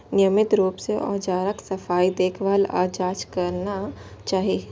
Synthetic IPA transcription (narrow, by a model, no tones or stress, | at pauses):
nɪjəmɪt̪ɾuːpseʔɔ̰ːd͡ʒaːɾəksɐfaːid̪eːkʰʋaːla̰ːd͡ʒaːt͡ʃkɐɾnat͡ʃaːɦie